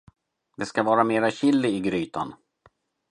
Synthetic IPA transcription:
d̪ɛskavɑːɾameːɾaɕɪlːɪɪɡɾyːt̪ʰa̰n

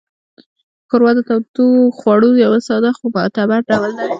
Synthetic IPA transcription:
koɾwɑd̪ət̪awt̪uxwɑɽujawasɑd̪axopəat̪abaɖawəld̪a

